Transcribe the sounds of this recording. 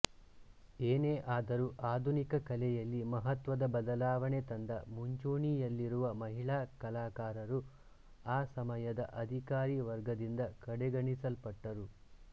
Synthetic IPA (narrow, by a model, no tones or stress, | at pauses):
eːneːʔaːd̪ɐɾuʔaːd̪ʱunikɐkɐlɛjɐlːimɐɦɐt̪ʋɐd̪ɐbɐd̪ɐlaːʋɐɳet̪ɐnd̪ɐmuɲt͡ʃoːɳijɐlːiɾuʋɐmɐɦiɭaːkɐlaːkaːɾɐɾu | aːsɐmɐjɐd̪ɐʔɐd̪ʱikaːɾiːʋɐɾɡɐd̪ind̪ɐkɐɽɛɡɐɳisɐlpɐʈːɐɾu